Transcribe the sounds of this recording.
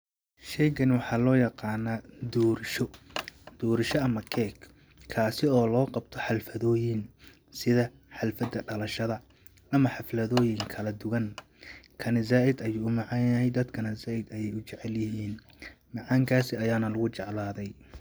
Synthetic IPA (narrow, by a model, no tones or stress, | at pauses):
ʃɛjɡɐnwɑħɑːlɔːjɑqɑːnɐːd̪uːɾʃɔd̪̥uːɾɪʃɔɐmɐkʰɛːk | kʰːaːsɪɔːlɔːqɑbt̪ʰɔħɑlfɐðɔːjɪn | sɪðɐ | ħɑlfɐd̪ɐɖɐlɐʃɐðɐ | ʔɐmɐħɑflɐðɔːjɪŋkʰɐlɐd̪ʊɣɐn | kʰɐnɪzaːɪd̪ɐjuːʊmɑʕɑnjɐɦɛjd̪ɐd̪kʰɐnɐzaːɪd̪ɐjɛjʊt͡ʃɛʕɛljɪɦiːn | mɑʕɑŋkʰaːsɪɐjaːnɐlʊɣʊt͡ʃɑʕlaːðɛj